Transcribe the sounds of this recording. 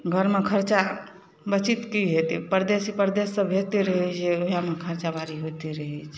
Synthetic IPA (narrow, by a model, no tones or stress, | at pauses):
ɡʱəɾmekʰəɾt͡ʃa | bət͡ʃit̪kiɦet̪ipəɾd̪esipəɾd̪esːəbʱɦet̪iɾəɦɛt͡ʃʰeoɦijamekʰəɾt͡ʃabʱaɾiɦot̪iɾəɦɛt͡ʃʰ